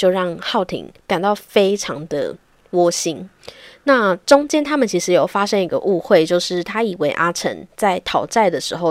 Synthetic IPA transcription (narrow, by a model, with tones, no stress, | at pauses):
t͡ɕjo˥˧ʊɻɑ˥˧ŋxɑ˥˩ʊt̪ʰḭ˧˥ŋka˨˩nt̪ɑ˥˩ʊfe˥ɪʈ͡ʂʰɑ˧˦ŋd̪ə̰˨ | wɔ˦˥ɕi˥n | na˥˨ʈ͡ʂʊ˥ŋt͡ɕjɛ˥nt̪ʰa˥mə˨nt͡ɕʰi˧˥ʂɻ̩˧˥jo˨˩ʊfa˦ʂə˦ŋi˧˥ɡə̰˧ʔu˥˧xwe˥˩ɪt͡ɕjo˥˧ʊʂɻ̩˥˩t̪ʰa˥i˨˩we˧˥ɪʔa˥ʈ͡ʂʰə̰˧˥nt͡sa˥˩ɪt̪ʰɑ˨˩ʊt͡sa˥˩ɪd̪ə˩ʂɻ̩˧˥xo˥˧ʊ